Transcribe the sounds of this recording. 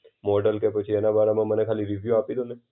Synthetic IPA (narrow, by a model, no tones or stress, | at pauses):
mɔɖəlkepət͡ʃʰiɛnabaɾamãmənekʰaliɾiʋjuapilone